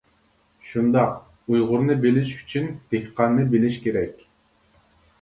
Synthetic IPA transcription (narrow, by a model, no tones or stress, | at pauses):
ʃund̪ɑq | ujʁʊɾnɨbɪlɪʃy̥t͡ʃʰynd̪̥ehqɑnːɨbɪlɪʃkʲʰeɾɛkʲ